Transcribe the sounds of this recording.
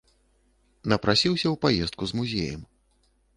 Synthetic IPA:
nɐpɾasʲiwsʲɐwpajɛst̪̚kuzmuzʲḛjɐ̰m

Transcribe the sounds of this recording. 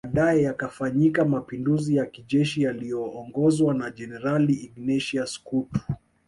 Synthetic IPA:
aɗajɛjakafaɲikamapinduzijakiʄɛʃijalijɔːŋɡɔzwanaʄɛnɛɾaliːɡnɛʃiaskutu̥

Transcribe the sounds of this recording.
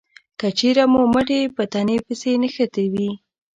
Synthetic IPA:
kət͡ʃeɾamoməʈepət̪anepəsenəxət̪ewi

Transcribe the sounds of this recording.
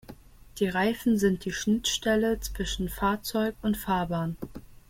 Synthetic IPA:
d̥iːʁaɪfn̩zɪnt̚d̥iːʃnɪtʃtɛlət͡sv̥ɪʃn̩faːɐt͡sɔʏkʊntfaːɐbaːn

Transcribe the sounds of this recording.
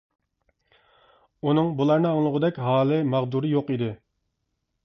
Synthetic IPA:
unɨŋbulˠɑɾnɨɑŋlˠəʁʊd̪ɛkʲɦɑːlˠɨmɑʁd̪uɾɨjoqid̪ɪ

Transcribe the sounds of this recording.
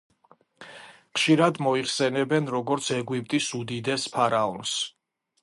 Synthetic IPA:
χʃiɾad̪mɔiχsɛnɛbɛnɾɔɡɔɾt̪sʰɛɡwip̚ʼt̪ʼisud̪id̪ɛspʰaɾaɔns

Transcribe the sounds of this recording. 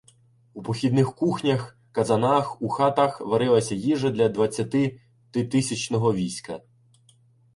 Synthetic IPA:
upɔxʲid̪nɪxkuxnʲɐx | kɐzɐnɑxuxɑt̪axʋɐɾɪlˠɐsʲɐjiʒɐd̪lʲɐd̪ʋɐt͡sʲːɐt̪ɪ | t̪ɪt̪ɪsʲɐt͡ʃnɔɦɔʋʲisʲkɐ

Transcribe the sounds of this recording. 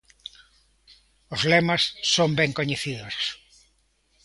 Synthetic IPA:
ʊzlemɐsːombɛŋkoɲeθiðoɾs

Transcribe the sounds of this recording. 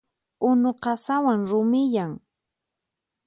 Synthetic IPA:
ʊnoqɑsawaŋɾʊmɪʎaŋ

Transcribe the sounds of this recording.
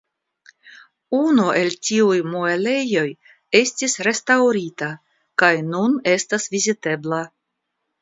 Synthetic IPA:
unue̞ltiujmoele̞jo̞j | e̞stisɾe̞stawɾita | kajnune̞stasvizite̞bla

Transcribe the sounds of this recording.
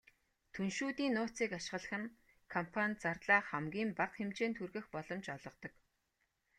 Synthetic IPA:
t̪ʰunʃuːt̪iːnːʊːt͡siːkaʃɪ̥̆ɢə̆ɮə̆χɘ̆n | kʰɔmpʰanʲt͡sart̪ɮaːχæmɡʲiːmpaqxemt͡ɕeːnt̪ʰurɣɘ̆xpɔɮɞ̆mt͡ɕɔɮɞ̆qt̪ɞ̆k

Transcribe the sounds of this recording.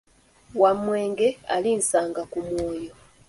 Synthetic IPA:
wamweːŋɡea̰lin̩saːŋɡakumwoːjo

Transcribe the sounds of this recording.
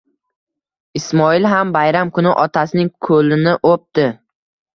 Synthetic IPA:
ɪsmɒɪlɦambajɾamkʰʊnɪʔɒt̪ʰasɪnɪŋkʰɵlɪnɪʔop̚t̪ɪ

